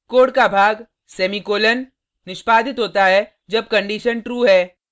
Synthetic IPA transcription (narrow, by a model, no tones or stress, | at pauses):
koːɽkabʱaːɡ | sɛːmikoːlənː | ɪʃpaːd̪ʱɪt̪ɦoːt̪aɦɛ | d͡ʒɐb̚kɐ̃ɳɖiːʃənʈɾuːɦɛː